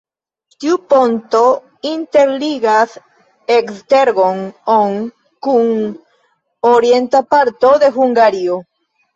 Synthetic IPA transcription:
t̪iupont̪o | int̪eɾliɣas | ekst̪eɾɡoŋoŋ | kuŋ | oɾjent̪apaɾt̪oðe̞xuŋɡaɾio

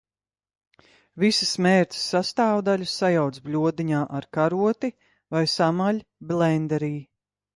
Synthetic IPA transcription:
visismeːɾt̪ʲsːast̪aːwd̪alʲusajawt̪sblʲuɔd̪iɲaːʔaɾkaɾuɔt̪i | vajsamalʲblɛnd̪ɛɾiː

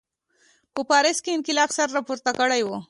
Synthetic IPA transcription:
pəpɑɾɪskeɪnkɪlɑfsaɾːɑpuɾt̪akəɽajwo

